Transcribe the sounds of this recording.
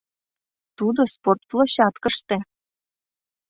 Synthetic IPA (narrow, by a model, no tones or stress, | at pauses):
t̪ud̪osport̪̚plˠoɕɑt̪kə̆ʃt̪ĕ